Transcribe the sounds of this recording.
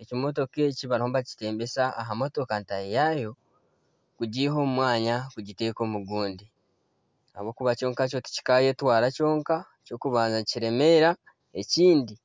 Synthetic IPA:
e̞cimo̞to̞ke̞ciβaɾihoβaci̥te̞ːmbe̞saːɦamo̞to̞kantajijaːjo̞ | kuɟiːɦo̞ːmumwaːɲakuɟite̞ko̞ːmuɡuːndi | a̰βo̞ːkuβaco̞ːŋkaco̞ti̥ci̥kaje̞twaːɾaco̞ːŋka | co̞ːkuβaːnzaciɾe̞me̞ɾa | e̞ciːndi

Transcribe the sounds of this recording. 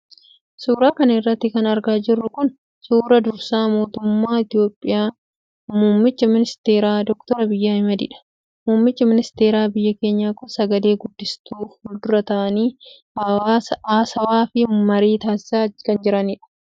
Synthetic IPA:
suːɾaːkɐnɐɪrːɐt̪ːɪkɐnɐɾɡaːd͡ʒɪrːʊkʊn | suːɾɐd̪ʊɾsaːmo̞ːt̪ʊmːaːɪt̪ɪjo̞ːpʼːɪjaː | muːmːɪt͡ʃːɐmɪnɪst̪e̞ːɾaːd̪ɔkt̪ɔɾɐbɪjːaːhɪmɐd̪ḭᶑɐ̥ | muːmːɪt͡ʃːɐmɪnɪst̪e̞ːɾaːbɪjːɐke̞ːɲːaːkʊsɐɡɐle̞ːɡʊd̪ːɪst̪uːʊd̪ʊɾɐt̪ɐʔɐniː | ɐaːsɐwaːfɪmɐɾiːt̪aːsɪ̥saːkɐnd͡ʒɪɾɐniːᶑɐ̥

